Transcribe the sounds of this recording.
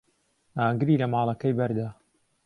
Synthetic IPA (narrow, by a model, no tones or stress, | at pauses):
aːɡɨɾiːlɐmaːlˠɐkɐjbɐɾd̪aː